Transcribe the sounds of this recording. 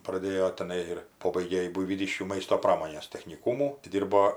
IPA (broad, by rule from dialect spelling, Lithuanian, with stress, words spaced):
prɐˈdʲeːjoː tʲɛˈnɐɪ ɪr ˈpoːbɐɪɡʲeː jɪ bʊɪʋʲiːˈdʲiːʃʲkʲuː ˈmɐɪstoː ˈprɑːmoːnʲeːs tʲɛxʲnʲɪˈkuːmuː tʲɪ ˈdʲiːrboː